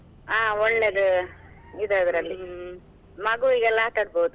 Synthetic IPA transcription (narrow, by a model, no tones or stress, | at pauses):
aːɔɭːeɡe | id̪ɐd̪ɐɾɐlːi | mɐɡuiɡɛlːat̪ɐɽboːud̪u